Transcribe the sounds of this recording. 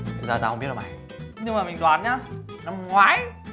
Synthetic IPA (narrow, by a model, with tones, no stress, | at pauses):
t̪ʰʊ˨˦zaː˧t̪aː˧ə˧ŋ͡mɓi˦˥ət̚ːma˨˩ | ɲɨ˧ŋmaː˨˩mï˨˩ŋzwaː˨˩nɲaː˨˧˥ | na˧mŋwaː˨˦j